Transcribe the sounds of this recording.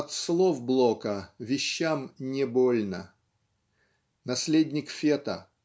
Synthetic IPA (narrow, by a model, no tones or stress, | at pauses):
ɐt̪slˠofblˠokəvʲɪɕːamnʲɪbolʲnə | nɐsʲlʲedʲnʲɪkfʲet̪ə̰